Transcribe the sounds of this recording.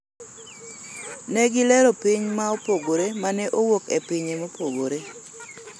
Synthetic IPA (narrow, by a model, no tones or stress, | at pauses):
nɛɡɪlɛɾopiɲmaopoɡoɾemanɛʔowokepiɲemopoɡoɾe